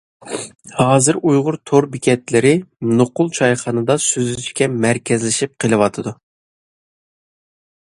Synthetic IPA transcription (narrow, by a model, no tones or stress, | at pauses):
hɑːzɨɾujʁʊɾt̪ʰoɾbɪkʲɛt̪lɪɾɪnoqʊlˠt͡ʃʰɑjχɑnɨd̪ɑsyzyt͡ʃkʲɛmæɾkʲɛzlɪʃip̚qʰəlˠɨwɑt̪ʰɨd̪u